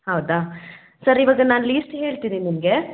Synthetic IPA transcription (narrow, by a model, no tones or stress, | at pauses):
hɐwd̪aː | sɐɾiʋaːɡɐnaːnliːsʈɦe̞ːɭt̪iːninimɡe̞